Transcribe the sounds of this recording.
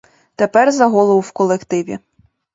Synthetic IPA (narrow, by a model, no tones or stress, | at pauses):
t̪epɛrzɐɦɔlˠɔwwkɔlˠekt̪ɪʋʲḭ